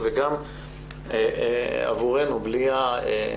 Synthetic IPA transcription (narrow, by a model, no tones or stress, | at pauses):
veɡam | ea̰vuʁenubliae